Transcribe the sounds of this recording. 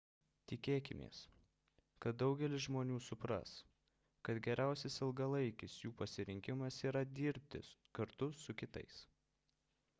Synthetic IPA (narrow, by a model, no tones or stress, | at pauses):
t̪ʲɪkʲeːkʲɪmʲḛːs | kɐt̪̚d̪ɒʊɡʲɛlʲɪsʒmoːnʲuːsʊpɾɐ̰s | kɐt̪ɡʲɛɾʲʔæˑʊsʲɪsɪlˠɡɐlˠɐɪkʲɪsjuːpɐsʲɪɾʲɪŋʲkʲɪmɐsiːɾɐd̪ʲiːɾʲp̚ʲt̪ʲɪ̰kɐɾt̪ʊsʊkʲɪt̪ɐ̰ɪs